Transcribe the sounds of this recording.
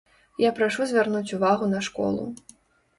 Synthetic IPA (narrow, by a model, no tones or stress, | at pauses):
japɾaʂuzʲvʲarnut͡sʲuvaɣunɐʂkɔ̰lˠṵ